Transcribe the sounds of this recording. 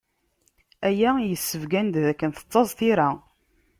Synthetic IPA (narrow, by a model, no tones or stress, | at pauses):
æjæjəsːəvɡænd̪ðækːənθə̥t͡sˤːɑzˤθiɾa